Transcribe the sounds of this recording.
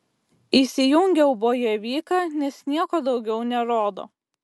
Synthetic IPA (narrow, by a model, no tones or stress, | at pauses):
isʲɪjʊŋʲɡʲɛʊboːjɛʋʲiːkɑnʲɛsnʲiɛkoːd̪ɒʊɡʲɛʊnʲɛɾoːd̪o̰ː